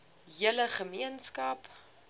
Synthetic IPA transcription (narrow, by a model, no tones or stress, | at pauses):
ɦiələχəmiənskɐp